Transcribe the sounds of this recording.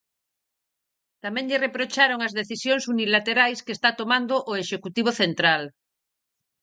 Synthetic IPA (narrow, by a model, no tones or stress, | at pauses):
t̪amɛ̃ŋʎerepɾot͡ʃaɾoŋazðeθisjoŋsunilat̪eɾajskest̪at̪omãnd̪oʔoeʃekut̪iβ̞oθent̪ɾal